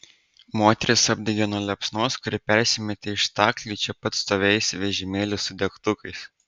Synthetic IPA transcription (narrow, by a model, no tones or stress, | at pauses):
moːt̪ʲɛɾʲɪsɐbʲd̪ʲɛɡʲɛnuɔlʲɛpsnoːskʊɾʲɪpʲɛɾʲsʲɪmʲɛt̪ʲeɪʃt̪ɑːklʲiːt͡ʃʲɛpɐt̪st̪oːʋʲɛɪsʲʋʲɛʒʲɪmʲeːlʲɪsʊd̪ʲɛkt̪ʊkɐɪs